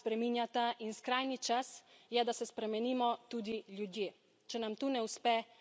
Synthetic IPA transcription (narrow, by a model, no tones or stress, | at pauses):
spɾɛminjat̪aʔinskɾaːjnit͡ʃasjɛd̪asɛspɾɛmɛniːmɔt̪uːd̪iljud̪jeː | t͡ʃɛnamt̪uːnɛuspɛ